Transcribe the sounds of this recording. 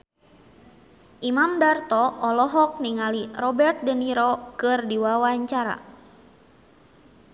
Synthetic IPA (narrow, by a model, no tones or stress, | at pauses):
ʔimamdart̪ɔɔlɔɦɔk̚niŋalirɔbɛrt̪̚dəniɾɔkɨrdiwawaɲt͡ʃaɾa̰